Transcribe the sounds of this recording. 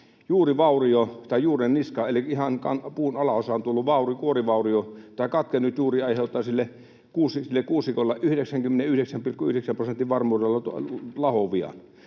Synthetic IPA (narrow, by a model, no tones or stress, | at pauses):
juːriʋɑˑuriot̪ɑˑijuːrenniskɑelikihɑnkɑ̰npuːnɑlɑosɑːnt̪ulːuʋʋɑˑurikuoriʋɑˑuriot̪ɑˑikɑt̪kenːyt̪juːriɑˑiheˑut̪ˑːɑˑsilːe | kuːsisilːekuːsːikolːɑʔyhdeksæŋkymːeneyhɾeksæmpilkːˑuyhɾeksæmprosent̪ːˑiʋʋɑrmˑuːrelːɑt̪lɑhoʋiɑ̰n